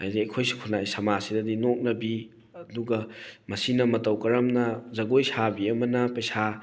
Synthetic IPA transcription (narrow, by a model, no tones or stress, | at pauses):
a̰jdiɐjkʰojsi̥kʰunːajsɐmasidɐdinok̚nɐbi | ɐduɡɐmɐsinɐmɐtɐwkɐɾɐmnɐzɐɡojsabiɐmɐnɐpɐjsa